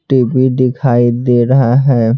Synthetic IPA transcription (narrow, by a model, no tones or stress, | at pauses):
ʈebʱiɖɪkʰaːid̪eːɾɐɦaɦɛː